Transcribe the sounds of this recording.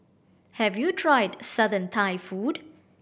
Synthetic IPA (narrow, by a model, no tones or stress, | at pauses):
hɛvjutʰɹajdsʌdə̃nt̪ʰajfud